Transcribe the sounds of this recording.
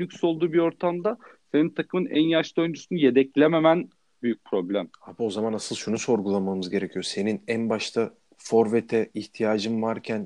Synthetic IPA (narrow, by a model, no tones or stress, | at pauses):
ycso̞lˠd̪uːbio̞ɾt̪ʰamd̪ase̞nint̪ʰakʰɯmɯnæ̰njaʃlˠo̞jnd͡ʒysynyje̞d̪ɛclʲeme̞mæn | byjyc̚pʰɾo̞blʲæmhabo̞zamanasɯlˠʃunuso̞ɾɡulˠamamɯzɟe̞ɾecʰijo̞se̞ninænbaʃt̪ʰa | fo̞ɾvet̪ʰɛiçt̪ʰijaːd͡ʒɯmvaɾcʰæn